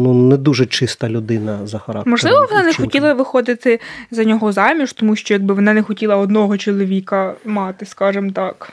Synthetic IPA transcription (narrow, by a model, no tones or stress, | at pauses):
nunɛd̪uʒɛt͡ʃɪst̪ɐlʲʊd̪ɪnɐzɐxɐɾɑ̰kmɔʒlˠɪʋɔʋɔnɑnɛxɔilˠɐʋɪxɔd̪ɪt̪ɪzɐnʲɔɦɔzɑmʲiʒt̪ɔmuʃt͡ʃɔjaɡ̚bɪʋɔnɑnɛxɔtʲilˠɐɔd̪nɔɦɔt͡ʃɔlˠɔʋʲikɐmɑt̪ɪskɑʒɪmt̪ɑk